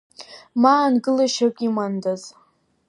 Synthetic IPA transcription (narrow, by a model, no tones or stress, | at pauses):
maːnɡɨlaʃakʼimandaz